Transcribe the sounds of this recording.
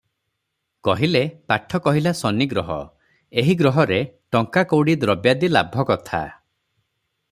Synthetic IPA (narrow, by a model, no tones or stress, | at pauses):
kɔɦilepaʈʰɔkɔɦilasɔniɡɾɔɦɔ̰ | eɦiɡɾɔɦɔɾeʈɔŋkakowɽid̪ɾɔbjad̪ila̰bʱɔkɔt̪ʰa̰